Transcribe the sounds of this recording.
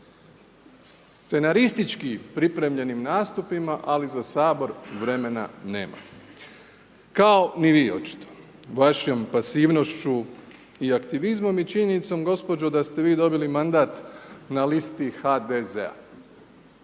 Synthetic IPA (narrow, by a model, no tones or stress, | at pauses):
st̪t̪se̞naɾist̪it͡ʃkipɾipɾe̞mʎe̞nimnaːst̪upimaʔalizasaːbo̞ɾʋɾe̞me̞na̰ne̞̰ːma̰ | kao̞niʋiːo̞̰t͡ʃi̥t̪o̥ | ʋaʃompasiːʋno̞ʃt͡ʃu | iakt̪iʋizmo̞mit͡ʃiɲenit̪so̞mɡo̞spo̞d͡ʒod̪ast̪e̞ʋiːd̪o̞bilimand̪aːt̪nalist̪ixad̪ezḛa̰